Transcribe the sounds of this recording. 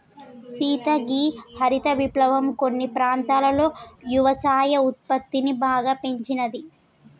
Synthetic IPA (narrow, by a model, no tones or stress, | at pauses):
siːt̪ɐɡiːhɐɾit̪ɐʋiplɐʋɐmkonːipɾaːnt̪aːlɐlo̞ːjuʋɐsaːjɐut̪̚pɐt̪ːinibaːɡaːpe̞ɲt͡ʃinɐd̪i